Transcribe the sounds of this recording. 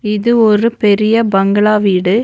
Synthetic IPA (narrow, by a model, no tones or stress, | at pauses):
ɪðɯɔɾɯpɛɾɪjɐbɐŋɡɐɭaːʋiːɽɯ